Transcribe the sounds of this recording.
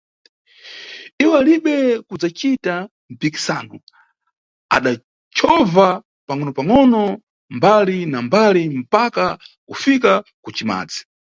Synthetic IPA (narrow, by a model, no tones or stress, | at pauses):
iwɛaliɓɛkud͡zat͡ʃita | m̩piki̥sanɔ | a̰ɗa | t͡ʃʰɔva | paŋɔnɔpaŋɔnɔ | mbalinambalim̩pakakufikakut͡ʃima̰ːd͡zi̥